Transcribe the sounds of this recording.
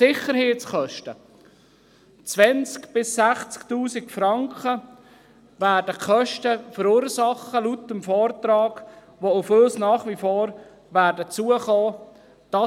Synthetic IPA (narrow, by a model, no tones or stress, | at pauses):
sɪχəɾheːtt͡sχœʃtə | t͡svɛnt͡skb̥ɪsːæχt͡sktuːsɪkfɾɑŋkə | væːɾdəkχœʃtəfəɾuːɾsɑχəlutəmfɔːɾtɾɑːɡ̥ | ʋoʊføːsnɑːχʋifɔːɾ | ʋæːɾdət͡suəχɔː | d̥ɑ